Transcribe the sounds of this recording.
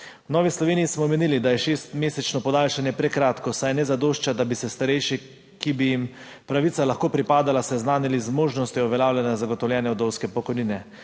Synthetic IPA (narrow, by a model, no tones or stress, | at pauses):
wnɔːʋislɔʋeːnijːsmɔmenilid̪ajɛʃest̪meːsɛt͡ʃnɔpɔd̪aːlʃanjɛpɾɛkɾaːt̪kɔsajnɛzad̪oːʃt͡ʃad̪abisɛst̪aɾɛjʃɛ | kibijim | pɾaʋit̪salaxkoːpɾipaːd̪alasɛznaːnilizmoːʒnɔst̪jiɔʋɛlʲjaːwljanazaɡɔt̪ɔwlʲjɛːnjɛɔd̪ɔwskɛpɔkɔjniːnɛ